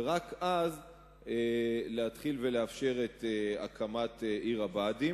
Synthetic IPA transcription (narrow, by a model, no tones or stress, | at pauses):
ʁakʔaz | eleat̪χilveleafʃe̞ʁetea̰kʰamateʔiʁabadi